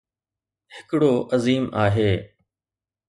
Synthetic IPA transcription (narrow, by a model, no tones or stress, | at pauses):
hɪkɽoːʔəziːmaːɦeː